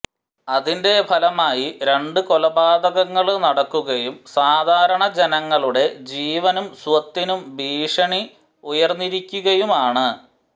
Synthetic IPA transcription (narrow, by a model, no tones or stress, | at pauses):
ɐðinde̞pʰɐlɐmaːjiɾe̞ɳɖɨko̞lɐbaːd̪ɐɣɐŋːɐɭnɐɽɐkːuɣɐjumsaːd̪ʱaːɾɐɳɐd͡ʑenɐŋːɐɭuɽe̞d͡ʑiːʋɐnumswɐt̪ːinumbʱiːʂɐɳi | ujɐrnːiɾikʲːuɣɐjumaːɳɨ